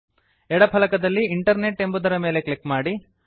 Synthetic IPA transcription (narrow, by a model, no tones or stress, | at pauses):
ɛɽɐpʰɐlɐkɐd̪ɐlːiiɳʈɐɾneʈːe̞mbud̪ɐɾɐmeːle̞klikmaːɽi